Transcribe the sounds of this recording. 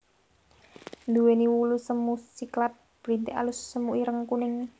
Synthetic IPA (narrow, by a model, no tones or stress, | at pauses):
nd̪uweniwulusəmusiklat̪̚b̥ɾint̪eʔa̰lʊsːəmuʔiɾəŋkunɪŋ